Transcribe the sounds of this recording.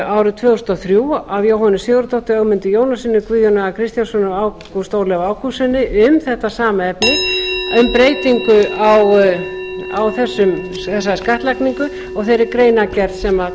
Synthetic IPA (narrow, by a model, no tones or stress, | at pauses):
aːwɾʏt̪ʰvœːɣɔsnɔθɾjuːavjowɦɔnʏsjʏːɣʏɾʏt̪ɔht̪ʏœɣmɪnt̪ʏjoːwnasɪnːɪkvʏːðjɔnaɣakʰɾɪst̪jansɔnaawkust̪oːwlɛvaːwkʰusɛnːɪʔʏmθɛht̪asaːmaɛpnɪʏmpɾeːjt̪iŋkʏaw | awθɛsːʏm | θɛsːaskaht̪lakniŋkʏ | ɔɣθejɾɪɾkɾejnacɛɾt̪sɛma